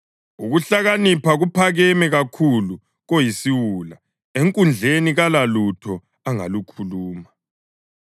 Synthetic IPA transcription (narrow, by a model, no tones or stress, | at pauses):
uɣuɬaɣanipʰaɣupʰaɣɛmɛɣakʰulu | ɣojisiwula | eŋkʼund͡ɮʱeniɣalalutʰɔ | aŋa̰lukʰuluːma